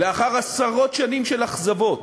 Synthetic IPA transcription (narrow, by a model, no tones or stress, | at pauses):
leaχaʁasaʁo̞t̪ʃanimʃelaχzavo̞t